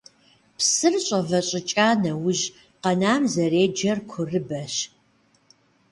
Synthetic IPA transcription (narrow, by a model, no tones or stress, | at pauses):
psɨrɕʼɐvɐɕʼɪt͡ʃʼaːnɐwʊʒ | qɐnaːmzɐreːd͡ʒɐrkʷʰʊrɨbɐɕ